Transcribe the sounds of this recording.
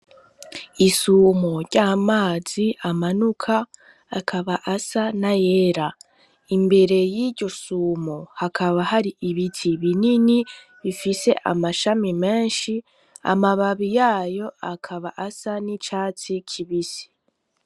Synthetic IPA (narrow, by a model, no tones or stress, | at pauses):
isumoɾɟaːmaːz̥iʔamanukʰaː | kʰaβaʔasanajeːɾa | imbe̞ɾe̞jiɾɟo̞suːmohakʰaβahaɾiʔiβitʰiβinini | βifise̞ʔa̰maʃamime̞ːnʃi | a̰maβaβijaːjo̞akʰaβaʔasanit͡ʃaːt͡sikʰiβisi̥